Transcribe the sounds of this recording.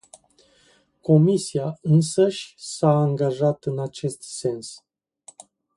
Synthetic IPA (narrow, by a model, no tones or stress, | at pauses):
ko̞misiaɨnsəʃʲsaːŋɡaʒat̪ɨnat͡ʃe̞st̪se̞ns